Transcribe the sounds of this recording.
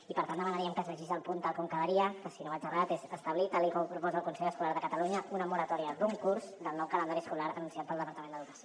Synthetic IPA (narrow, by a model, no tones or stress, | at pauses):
ipəɾt̪and̪əmənɾiəmkəzβəʒizəlˠpunt̪alˠkɔmkəðəɾiəkəsinoad͡ʒərat̪ezəst̪əβlit̪alikɔmpɾupɔzəlˠkunsɛʎəskulaɾðəkət̪əluɲəunəmuɾət̪ɔɾiəd̪uŋkuɾzd̪əlˠnɔwkələnd̪aɾiəskulaɾənunsijat̪̚pəlˠd̪əpəɾt̪əmẽnd̪əðuɣas